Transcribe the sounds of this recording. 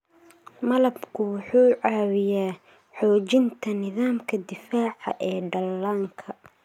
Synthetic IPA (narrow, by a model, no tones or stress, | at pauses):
mɐlɐbkʰʊwʊħuːʕɑːwɪjaː | ħɔːt͡ʃɪnt̪ʰɐnɪðaːmkʰɐd̪ɪfaːʕɑ̰ʔɛːɖɐlːaːŋkʰɐ